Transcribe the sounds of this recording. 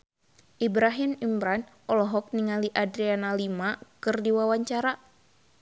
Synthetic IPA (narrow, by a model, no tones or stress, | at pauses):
ʔibɾaɦimimbɾan | ɔlɔɦɔk̚niŋaliʔadɾianalimakɨrdiwawaɲt͡ʃaɾa